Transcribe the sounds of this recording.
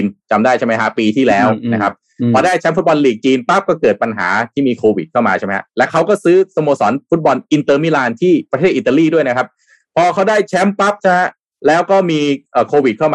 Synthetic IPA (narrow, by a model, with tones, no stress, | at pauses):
nt͡ɕa˧mdaː˥˩jt͡ɕʰa˥˩ma˦˥jɦa˦˥piː˧t̪ʰiː˥˩lɛː˦˥wna˦˥kʰa˦˥p̚ | pʰɔː˧daː˥˩jt͡ɕʰɛ˦˥mfu˦˥t̪̚bɔ˧nliː˨˩k̚t͡ɕiː˧npa˦˥p̚kɔː˥˩kɤː˨˩t̪̚pa˧nɦa̰ː˩˦t̪ʰiː˥˩miː˧kʰoː˧wi˨˩t̪̚kʰa˥˩wmaː˧t͡ɕʰa˥˩m˦˥hɦa̰˦˥lɛ˦˥kʰa˦˥wkɔː˥˩sɯː˦˥so˧moː˧sɔ̰ː˩˦nfu˦˥t̪̚bɔ˧nʔi˧nt̪ɤː˧mi˦˥laː˧nt̪ʰiː˥˩pɾa˧t̪ʰeː˥˩ʔt̪a˧liː˥˩du˥˩əjna˦˥kʰa˦˥p̚ | pʰɔː˧kʰa˦˥wdaː˥˩jt͡ɕʰɛ˦˥mpa˦˥p̚t͡ɕʰa˥˩ɦa˦˥ | lɛː˦˥wkɔː˥˩miː˧ʔəː˨˩kʰoː˧wi˨˩t̪̚kʰa˥˩wmaː